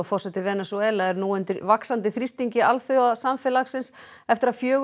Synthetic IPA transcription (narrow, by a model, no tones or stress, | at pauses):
afɔrsɛt̪ɪvɛnɛsɔɛlaɛɾnuːʏnt̪ʏɾvaksant̪ɪθɾist̪iɲcɪalθiaðsamfɛlaxsɪns | ɛft̪ɪɾaðfjœːɣ